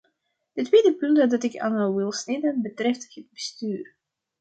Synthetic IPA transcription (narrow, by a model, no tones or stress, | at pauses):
d̥ətweːdəpʏntədɑtɪkʰa̰nəʋɪlˠsnɪdənbətrɛfthəd̚bəstyːr